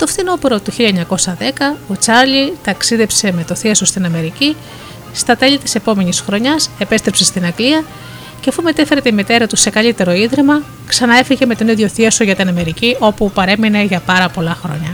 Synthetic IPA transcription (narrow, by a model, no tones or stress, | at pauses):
t̪o̞fθino̞peɾo̞t̪uçiʎɐeɲɐko̞sɐðe̞kɐo̞t͡sɐɾʎit̪ɐksiðe̞pse̞me̞t̪o̞θiɐso̞st̪inɐme̞ɾici | st̪ɐt̪e̞ʎit̪i̥se̞po̞me̞nisxɾo̞ɲɐse̞pe̞st̪ɾepse̞st̪inɐɡliɐ | ceɐfume̞t̪efe̞ɾe̞t̪imit̪e̞ɾɐt̪use̞kɐʎit̪e̞ɾo̞iðɾemɐ | ksɐnɐe̞fiʝe̞me̞t̪o̞niðʝo̞θiɐso̞ʝɐt̪inɐme̞ɾiciʔo̞pupɐɾe̞mine̞ʝɐpɐɾɐpo̞lɐxɾo̞̰ɲɐ